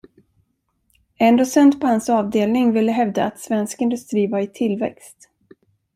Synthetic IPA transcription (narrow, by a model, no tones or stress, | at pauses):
ɛnd̪oːsɛnt̪pʰɔhansɑːvd̪eːlnɪŋvɪlːəɦɛvd̪aat̪svɛnskɪnd̪ɵst̪ɾiːvaɾɪt̪ʰɪlvɛ̰kst̪